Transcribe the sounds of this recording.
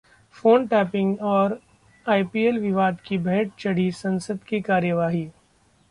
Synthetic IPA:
foːnʈɛːpɪ̃ŋɡɔːɾ | aːipiːelʋɪʋaːd̪kibɛɦʈ̚t͡ʃɐɽ̤isɐ̃nsəd̪kikaːɾjəʋaːɦiː

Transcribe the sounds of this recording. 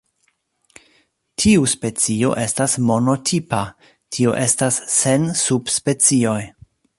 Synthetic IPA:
tʰiuspe̞t͡sio̞̰ʔe̞stasmo̞no̞tʰipa | tʰio̞̰ʔe̞stasːe̞nsubspe̞t͡sio̞j

